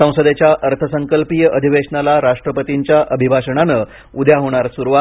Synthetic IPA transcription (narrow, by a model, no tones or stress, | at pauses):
ə̃w̃səd̪et͡ɕjaʔəɾt̪ʰəsəŋkəlpijəʔəd̪ʱiʋeʂɳalaɾaʂʈɾəpət̪iɲt͡ɕjaʔəbʱibʱaʂəɳanə | ud̪jaɦoɽ̃aɾsuɾuʋa